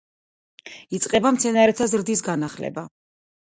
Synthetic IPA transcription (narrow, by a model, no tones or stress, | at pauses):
it̪sʼqʼɛbamt̪sʰɛnaɾɛt̪ʰazɾd̪is̬ɡanaχlɛ̰ba